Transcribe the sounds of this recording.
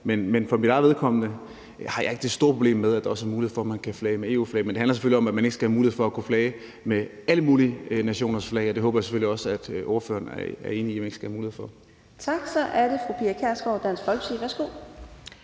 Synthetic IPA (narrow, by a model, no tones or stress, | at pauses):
menmenfɒ̽mid̥ɑ̈ɪʋe̝ðˠkʰɒ̽mnə | hɑ̈jɑ̈e̝ɡ̥əd̥e̝sd̥o̝ɐpʰʁoble̝̰ːmːeðˠæd̥ɑ̈ɒ̽sæɐmuːlihe̝ðˠfɒ̽mænkʰæflɛːɪmee̝ːṵflɛ̰ːmend̥ehænlɐseføliɒ̽mæd̥mæne̝ɡ̥sɡ̥æhæmuːliefɒ̽ækʰuflɛɪ | meæləmuːlinæɕo̝̰ːnɐsflɛːɪɒd̥e̝ɦɔ̽ːbɐjɑ̈seføliɒ̽səæd̥ʔo̝ːɐfø̰ːɐnæɐe̝ːniiæmæne̝ɡ̥əsɡ̥æhæmuːlihefɒ̽ | t͡sʰɑ̈ɡ̥sɒʔæɐɾ̥e̝fʁupʰiækʰæɐsɡ̥ɒd̥æn̰sfɒ̽lɡ̥siʋæɐsɡ̥o̝